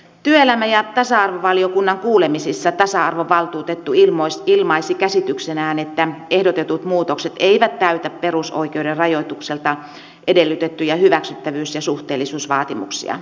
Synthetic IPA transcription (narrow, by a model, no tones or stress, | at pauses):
t̪yøelæmæjɑt̪ɑsɑɑrʋoʋɑliokunːɑŋkuːlemisisːɑt̪ɑsɑɑrʋoʋʋɑlt̪uːt̪et̪ːuilmosilmɑisikæsit̪yksenæːnet̪ːæehdot̪et̪ut̪muːt̪okset̪eiʋæt̪tæyt̪æpperuso̰ikeuderrɑjoit̪ukselt̪ɑ | ʔedelːyt̪et̪ːyjɑhyʋæksyt̪ːæʋyːsjɑsuht̪eːlːisuːsʋɑːt̪imṵksḭɑ̰